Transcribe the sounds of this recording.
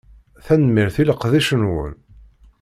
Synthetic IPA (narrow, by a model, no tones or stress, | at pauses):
θænmiɾθiləqðiʃənwə̰n